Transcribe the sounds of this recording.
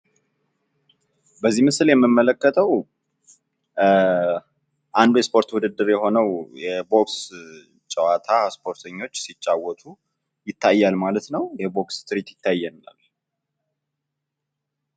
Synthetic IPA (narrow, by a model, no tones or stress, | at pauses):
bəzːimɨsljɛmːɨmːələkːət̪ʰəw | ʔand̪ujɛspʰo̞ɾt̪wʊd̪ɨd̪ːɨɾjɛho̞nəwjɛbo̞ks | t͡ʃʼəwat̪ʰaspʰo̞ɾt̪ʰəɲːo̞t͡ʃːsit͡ʃʼːawɔt̪ʰu | jɪt̪ʰːajːalmalət̪nəwjɛbo̞kst̪ʰɨɾit̪jɪt̪ʰːajːɛnːa̰l